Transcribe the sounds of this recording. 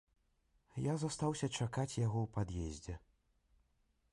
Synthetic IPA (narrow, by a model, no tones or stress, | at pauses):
jazast̪awsʲɐt͡ʂakat͡sʲjaɣɔwpad̪jɛzʲd͡zʲɛ